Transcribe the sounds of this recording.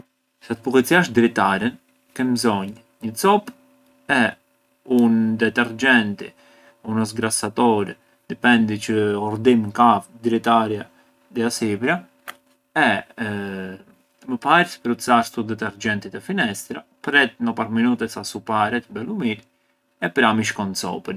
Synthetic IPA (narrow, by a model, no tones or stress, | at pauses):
sat̪əpukɛt͡siaʃd̪ɾit̪aɾɛn | kɛnmzɔɲ | ɲət͡sɔp | ɛ | und̪ɛt̪ɛɾd͡ʒɛnt̪ḭ | unəs̬ɡɾasat̪ɔɾɛ | d̪ipɛnd̪it͡ʃəɔɾd̪imkavd̪ɾit̪aɾja | d̪ɛasipɾa | ɛ | məpaɾspɾut͡saɾst̪ud̪ɛt̪ɛɾd͡ʒɛnt̪it̪ɛfinɛst̪ɾapɾɛt̪̚nəpaɾminut̪ɛsasupaɾɛt̪bɛlumiɾ | ɛpɾamiʃkɔnt͡sɔ̰pən